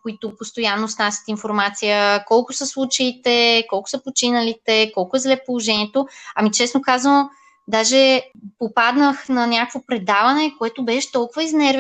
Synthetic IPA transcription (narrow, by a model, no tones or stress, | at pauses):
koit̪opost̪ojanːosnasʲjə̥t̪infoɾmat̪sijəkɔlˠkʊsɐslˠut͡ʃɐit̪ɛkɔlˠkʊ̥səpot͡ʃinɐlit̪ɛkɔlˠkʊɛzlɛpolˠoʒɛnʲiɛt̪oɐmit͡ʃɛsnokazvən | d̪aʒɛpopad̪nəxnɐnʲakəkvopɾɛd̪avɐnɛkoɛt̪obɛʃɛ̥t̪ɔlˠkʊvɐiznɛɾv